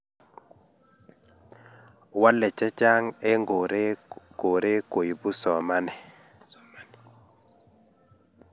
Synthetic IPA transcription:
wa˦lːɛ˨t͡ʃɛ˦t͡ʃa˦ŋɛ˦ŋɡo˨ɾko˨ɾe˦ko˨ji˨bu˦sɔ˨ma˦nɛ˨

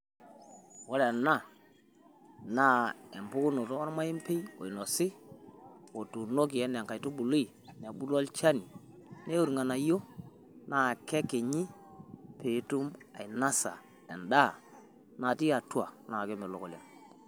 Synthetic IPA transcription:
wɔ˦lɛ˨na˦˨ | naː˦ɛ˨mpʊ˦kʊ˦no˨to˦ɔ˦ɾma˦i˦mpe˦jo̰˨jnɔ˨sɪ˦ | wo˨tu˨no˦k̬i˨ɛ˦nɛ˨ŋka˨jtu˦bu˨li˨ | nɛ˨bu˦lɔ˦lt͡ʃa˦ni˨ | ne˦u˨ɾŋa˨na˨jo˦ | na˦˨kɛ˦ke˨ɲi˦ | pe˨˦tu˦ma̰˨i˨na˦sa̰˨ | ɛ˨nda˦˨ | na˨ti˦a˨twa˨na˨kɔ˦mɪ˨lo˨kɔ˨lɛ˨n

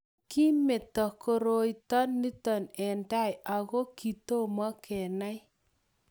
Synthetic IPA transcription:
ki˦me˨tɔ˨ko˨ɾo˦i˦tɔ˦nːi˦tɔ˨nɛ˨nda˦ja˨ɣo˦ki˨to˦mɔ˦kʰɛ˨na˦j

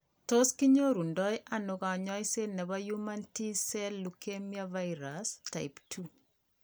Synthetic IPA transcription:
to˦ski˦ɲo˦ɾu˨ndɔ˦jʔanoka˨ɲɔ˦jse˦nɛ˨baju˦manti˦sɛ˦lːukemjavaiɾasta˨iptʰu

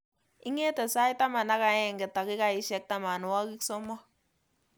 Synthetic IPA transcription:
i˦ŋe˦tɛ˨sa˦i˦ta˦ma˨na˦ka˨ɛ˦˨ŋɡɛ˨ta˨kɪ˦ka˨i˦ʃɛ˦k̚ta˦ma˨nu˨wa˦ki˦ksɔ˦mɔ˦

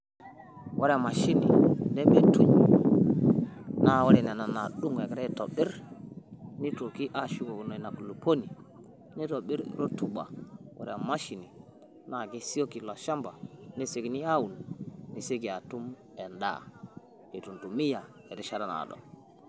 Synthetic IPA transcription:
wʔa˦ɾma˨ʃi˦nḭ˨ne˦me˨tu˦ɲ˨ | na˦˨wa˦ɾɛ˨nɛ˨na˨na˨ɗu˦ŋe˨kɾɛ˦to̰˨bɪ˦ɾ | ni˦to˨ki˦ʔa˦ʃu˦ko˨no˨i˨na˨klu˨po˦ni˨ | ni˦to˨ɓi˦ɾɾo˦tu˨ba̰˨wʔa̰˨ɾ̰a˨ma˦ʃi˨ni˨ | na˨ɡi˦si˦o˦ki˨lɔ˨ʃa˦mba˨ni˦se˨kni˦a˦wu˨nni˨se˦ki˨a˨tu˦m | ɛ˨nda̰˦ | e˨tu˨ntu˨mi˦ja˨ | e˨di˦ʃa˦ɾa˨na̰˨dɔ̰˨

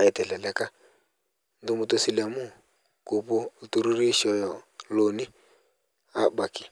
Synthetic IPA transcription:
a˨ɛ˨tɛ˨ɬɛ˨lɛ˦ka˦ | ndʊ˦mu˨to˦si˨la˨mu˦ | ko˨pɔ˦˨tu˦ɾu˦ɾi˦ʃɔ˨˦jɔ˨lo˨ni˦ | a˦ba˨kɪ̥˨

